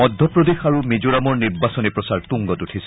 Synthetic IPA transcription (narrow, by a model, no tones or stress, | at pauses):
ɔd̪ʱːɔpɹɔd̪exaɹumid͡ʒuɹamɔɹniɹbasɔnipɹɔsaɹtuŋɡɔtutʰis